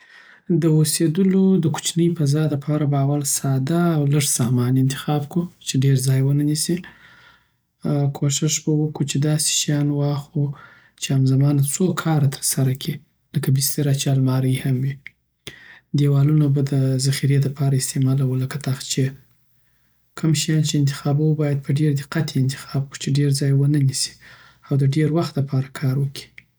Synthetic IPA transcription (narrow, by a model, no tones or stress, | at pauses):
d̪əosed̪əlod̪əku̥t͡ʃnəjpazɑd̪əpʰɑɾabaːwalsɑd̪aːwləʐsɑhmɑnɪnt̪ɪ̥xɑbkut͡ʃeɖeɾzɑjwənanisi | kʰoʃɪʃbawəkut͡ʃed̪ɑse̥ʃajɑnwɑxu | t͡ʃeamzamɑnat͡sokʰɑɾat̪ʰə̥ɾsaɾakʰi | ləkabɪst̪eɾat͡ʃɑlmɑɾəhamwi | d̪ewɑlunabad̪əzaxiɾed̪əpʰɑɾaɪst̪emɑlawuləkat̪axt͡ʃe | kəmʃajɑnt͡ʃeɪnt̪ɪ̥xɑbawubɑjad̪̚pəɖeɾd̪ɪqat̪ʰeɪnt̪ɪ̥xɑb̚ku̥t͡ʃeɖeɾzɑjwənənisi̥ | awd̪əɖeɾwaxt̪ləpɑɾakʰɑɾwəki̥